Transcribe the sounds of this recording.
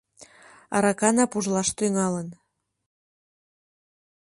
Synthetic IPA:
ɑ̰ɾɑkɑnɑpuʒlɑʃt̪yŋɑlən

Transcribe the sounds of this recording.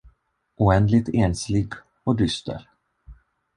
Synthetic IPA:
uɛnd̪lɪt̪eːnslɪɡ | ɔd̪ʏst̪ə̰ɾ

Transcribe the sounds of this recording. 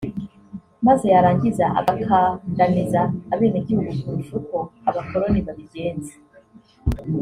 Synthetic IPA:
maze̞jaɾaːɲɟizaʔa̰βakʰaŋɡanizaːβe̞ːneɟihuɡukuɾuʃukoaβako̞ɾo̞niβaβiɡe̞ːnze̥

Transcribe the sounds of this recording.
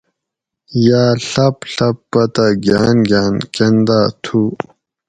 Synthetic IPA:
jaːɬɐpɬɐpːɐt̪aɡjaːnɡjaːnkend̪aːt̪ʰu

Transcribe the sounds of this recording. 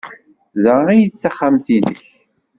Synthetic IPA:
ðəʁijət͡sːaχːamθiðə̰ç

